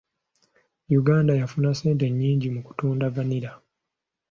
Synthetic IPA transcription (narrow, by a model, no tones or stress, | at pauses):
juɡaːndajafunase̞ːnt̬e̞ɲːiːɲɟimuku̥tuːndavaniɾa